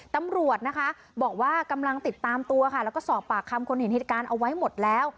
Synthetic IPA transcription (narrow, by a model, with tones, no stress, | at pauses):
t̪a˧mɾu˨˩ət̪̚na˦˥kʰa˦˥ | bɔː˨˩k̚waː˥˩ka˧mla˧ŋt̪i˨˩t̪ːaː˧mt̪u˧ɐkʰa˥˩lɛ˦˥wkɔː˥˩sɔː˨˩pːaː˨˩k̚ʰːa˧mkʰo˧nhe˩˦nheː˨˩t̪̚kaː˧nʔa˧wa˦˥jmo˨˩t̪̚lɛː˦˥w